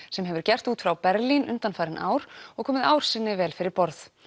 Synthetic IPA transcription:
sɛmɦɛvʏɾcɛr̥t̪uːt̪fɾawpɛɾlinʔʏ̰nt̪anfaːjɾɪnʔa̰ːwɾ̥ɔɣkʰɔːmɪðaːwɾ̥sɪnːɪvɛːlfɪɾɪɾpɔɾθ

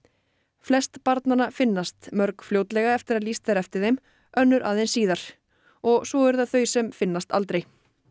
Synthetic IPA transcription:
flɛst̪paɾt̪nanafɪnːast̪mœɾkfljowt̪lɛɣaɛft̪ɪɾaðlist̪ɛɾɛft̪ɪɾðejm | œnːʏɾʔa̰ðejnsiːðaɾ̥ | ɔɣsɔɛɾðaðθœɥsɛmfɪnːast̪a̰lt̪ɾej

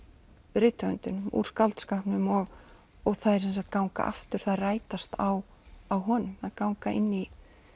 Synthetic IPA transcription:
ɾɪːt̪œ̰nt̪ʏnʏmṵːɾ̥skalt̪skahpnʏmɔɣ | ɔɣθaðɛɾsɛns̬akt̪̚kawŋka̰ʔa̰ft̪ʏɾ̥θaðraːjt̪ast̪aw | awɦɔːnʏmaðkawŋkaʔɪ̰nːi

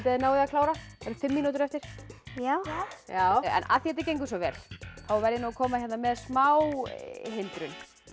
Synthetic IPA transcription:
t̪aðɪnaːwðɪakʰlaːwɾaɛɾðfɪmːiːnut̪̬ʏɾɛft̪ɪɾ̥jajaːwɛ̰na̰θihɛt̪ɪɾcejŋkʏs̬ɔvɛ̰ːl̥θawvɛɾɪnakʰɔːmahçɛt̪namɛðsmaːwɦɪnt̪ɾʏn

